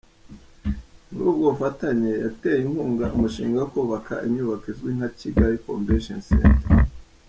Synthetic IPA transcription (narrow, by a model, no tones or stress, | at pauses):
ɾub̚ɡoufataɲejatejinhuːŋɡaʔumuʃḭːŋɡawakuːβaka̰ʔimɲuːβakizwiŋ̥aciɡaɾiko̰mbeʃensḛnte